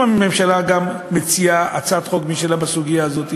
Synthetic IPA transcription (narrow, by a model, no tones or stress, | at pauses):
ame̞mʃalaɡamːet͡siaat͡sat̪χoɡmiʃelabasuɡijaːzo̞t̪i